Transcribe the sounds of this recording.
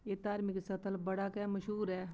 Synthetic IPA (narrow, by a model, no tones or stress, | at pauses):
eːt̪aːɾmɪksɐt̪ʰəlbɐɽaːkɛmɐʃɦuːɾɛː